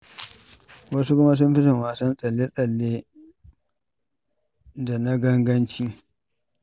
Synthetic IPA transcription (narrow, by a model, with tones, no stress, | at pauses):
wɐ˦s̬u˦kʷʊ˦ma˦s̬ʊ˦mɸɪ˦sɐ˨ŋwaː˨sɐ˦nsʼɐ˨lːe˦sʼɐ˨lːeː˦ | da˨na˦ɡɐ˦ŋɡɐ˦nt͡ʃiː˦